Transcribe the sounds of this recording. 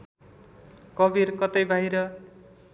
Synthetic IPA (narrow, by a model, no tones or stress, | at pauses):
kʌbiɾkʌt̪ʌjbʱajɾʌ